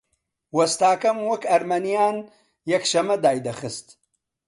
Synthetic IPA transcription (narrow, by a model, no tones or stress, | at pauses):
wɐst̪ɑːkɐmwəkɐɾmanijɑːn | jɐkʃɐmɐd̪ɑːjd̪axəst̪